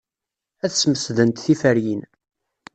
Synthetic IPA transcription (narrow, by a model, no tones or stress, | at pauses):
æθsməsðənt̪θifæɾjin